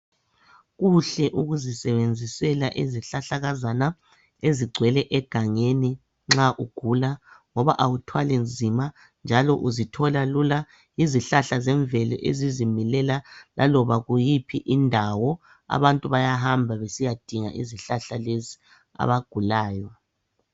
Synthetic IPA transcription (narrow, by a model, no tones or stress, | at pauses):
ɣuɬɛʔuɣuzisɛβend͡zʱisɛlaʔiziɬaɬaɣazana | eziɡ͡ǀʱwɛlɛʔɛɡ̥ʱaŋeni | ŋ͡ǁaʔuɡ̥ʱulaŋɔβa̰ʔawutʰwalend͡zʱima | nd͡ʒʱalɔʔuzitʰɔlalula | iziɬaɬazɛɱvɛlɛ̰ʔḛzizimilɛlalʔa̰lɔβaɣujipʰiʔindʱawɔ | a̰βantʼuβajaɦambʱaβesijad̥ʱiŋa̰ʔiziɬaɬalezi | a̰βaɡ̥ʱulaːjɔ